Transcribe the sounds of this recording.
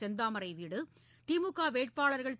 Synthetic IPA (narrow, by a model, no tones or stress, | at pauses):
ɛnd̪aːmɐɾɐɪʋiːɽɯ | t̪imukːaːʋeːʈ̚paːɭɐɾɣɐɭ